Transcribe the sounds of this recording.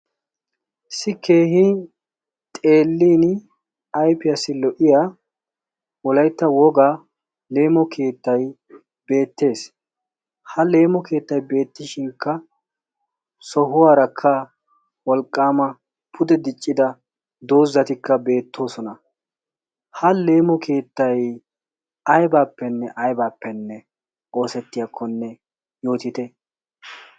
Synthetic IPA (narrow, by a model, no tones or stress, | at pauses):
sɪkːe̞ːhi | t̪ʼe̞ːlːiːn | ɐjpɪjɐsɪlɔʔɪjaː | wɔlɐjt̪ːɐwɔɡaː | le̞ːmɔkʰe̞ːt̪ːɐj | b̥e̞ːt̪ːe̞ːs | hɐle̞ːmɔke̞ːt̪ːɐjbe̞ːt̪ːɪʃɪŋkːɐ | sɔɦʊwaːɾɐkʰːɐ | wɔlkʼːaːmɐ | pʰʊd̪ɛd̪ɪt͡ʃʼːɪd̪ɐ | d̪o̞ːzːɐt̪ɪkːɐbe̞ːt̪ʰːo̞ːsɔnɐ | hɐle̞ːmɔkʰe̞ːt̪ːɐj | ɐjbaːpːɛnːɛʔɐjbaːpːɛnːɛ | o̞ːsɛt̪ːɪjakʰːɔnːɛ | jo̞ːt̪ɪt̪ɛ